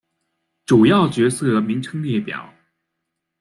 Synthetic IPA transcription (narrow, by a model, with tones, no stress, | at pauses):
ʈ͡ʂu˨˩jɑ˥˩ʊt͡ɕɥɛ˧˥sɤ˥˩˧mi˧˥ŋʈ͡ʂʰɤ˥ŋljɛ˥˧˩pjɑ̰˨˩˦ʊ